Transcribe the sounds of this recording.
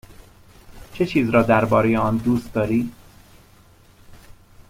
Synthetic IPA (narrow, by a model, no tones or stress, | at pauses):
t͡ʃʰet͡ʃʰiːzɾɒːd̪æɾbɒːɾe̞jeɒːnd̪uːst̪̚d̪ɒːɾiː